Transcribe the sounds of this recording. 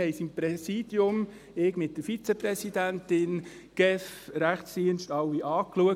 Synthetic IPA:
ɛjsimpɾɛsiːdjʊm | eːkmɪt̚d̥əfit͡seprɛsidæntɪn | ɡ̥ɛfɾæχtsd̥iənʃtɑwːiʔɑːkluək

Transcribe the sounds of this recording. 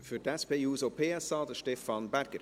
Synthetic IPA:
fyːdɛspeuːzopʰeːæsɑːdəʃteːfɑnbærɡəɾ

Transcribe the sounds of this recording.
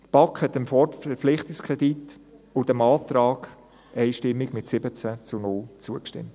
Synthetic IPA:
t̪b̥ɑkʰhɛt̪ːəmfɔəflɪχt̪ɪkskʰʁɛd̥itʊd̥ɛmɑːt̪ɾɑːɡ̥ | ʔɛɪʃtɪmːɪɡmɪtsɪbət͡sæt͡sʊnʊlt͡suəkʃtɪ̰mt

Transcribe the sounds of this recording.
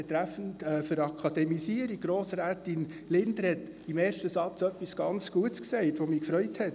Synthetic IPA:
ɛt̪ɾæfən̩tɛːfəɾɑkʰɑd̥ɛmisiəɾiɡɾoːsɾæːtɪn | lɪndɾɛt | imeːɾʃtəsɑt͡sœpːisɡ̥ɑnt͡sɡ̥uətsksɛɪtʋomiːkfɾœʏthɛt

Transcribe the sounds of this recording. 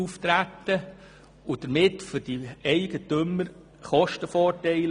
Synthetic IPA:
uft̪ɾæt̪ːə | ʊd̥əɾmɪtfʏd̥iɛɪɡ̥ətøməɾ | χɔʃtəfɔːɾtɛɪl

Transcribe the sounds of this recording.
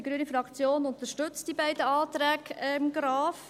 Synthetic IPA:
iɡɾyːənifɾɑkt͡sjoːnʊnt̪əɾʃtɵt͡std̥ibaɪdəɑːt̪ɾæːɡɛmɡɾɑːf

